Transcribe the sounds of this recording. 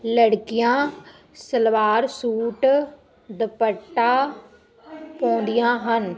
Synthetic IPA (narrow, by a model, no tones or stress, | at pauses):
ləɽkɪjãː | səlʋaːɾsuːʈ | d̪əpəʈːaː | pɔ̃ːnd̪ɪjãːɦən